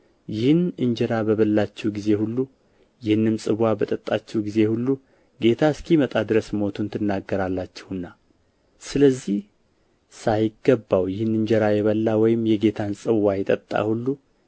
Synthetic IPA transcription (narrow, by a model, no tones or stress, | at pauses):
jɪhɨnɨɲd͡ʒɛɾabəβəlːat͡ʃːɛɡize̞hulːu | jɪhɨnːɨmsʼɨβabət̪ʼət̪ʼːat͡ʃːɛwɡize̞hulːu | ɡe̞t̪ʰaskʰimət̪ʼad̪ɨɾəsmo̞t̪ʰunt̪ʰɨnːaɡːəɾalːat͡ʃːɛhɨnːa | sɨləzːih | sajɪɡəbːawjɪhɨnɨɲd͡ʒɛɾajɛβəlːawɔjɪmːjɛɡe̞t̪ʰansʼɨβajɛt̪ʼət̪ʼːa̰hulːu